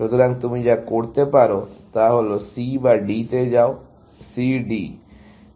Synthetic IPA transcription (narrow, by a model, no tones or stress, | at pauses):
ʃut̪ʰoɾaŋt̪umid͡ʑakoɾt̪epaɾot̪aɦolosibaɖit̪ed͡ʑao | siɖi